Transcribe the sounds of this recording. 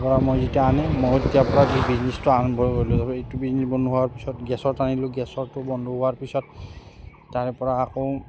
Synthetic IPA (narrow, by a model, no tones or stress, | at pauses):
pɔɹamojzetijaanɛmojetijapɔɹabibiznistʊaɹɔnbʱɔɹeɡoilʊ̃zaejtubiznisbɔndʱuɦuaɹpisɔtɡɛsɔɹtanilʊ̃ɡɛsɔɹtʊbɔndʱuɦʊaɹpisɔt̚ː | aɹɛpɔɹaːkow